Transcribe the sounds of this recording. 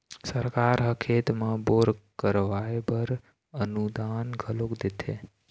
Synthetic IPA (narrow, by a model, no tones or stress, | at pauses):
səɾkaːɾɦəkʰeːt̪mãboːɾkəɾʋaːebəɾ | ənud̪aːnɡʱəlokd̪et̪ʰḛ